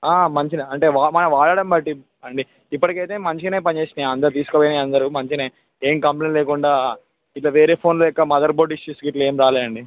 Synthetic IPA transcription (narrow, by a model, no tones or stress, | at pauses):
aːmɐɲt͡ʃinɐɐɳʈe̞ːʋaːmɐnɐʋaːɭaːɽɐmbɐʈːi | ɐɳɖi | ipːɐʈikɐjt̪e̞ːmɐɲt͡ʃine̞ːpɐɲd͡ʒe̞ːsineɐnd̪ɐɾut̪̬iːsu̥koːboːjneɐnd̪ɐɾumɐɲt͡ʃineː | eːmkɐmplenleːkuɳɖaː | iʈlaːʋe̞ːɾe̞ːpʰo̞ːnloːjɔkːɐmɐd̪ɐɾboːɖiʃːuskiʈlɐe̞ːmɾaːleːd̪ɐɳɖi